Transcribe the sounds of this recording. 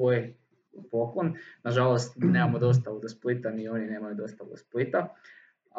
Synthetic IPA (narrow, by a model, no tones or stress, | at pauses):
oj | poklonnaʒalost̪nemamod̪o̞s̬t̪aud̪osplit̪amio̞nine̞ːmajud̪o̞st̪aṵd̪osplit̪a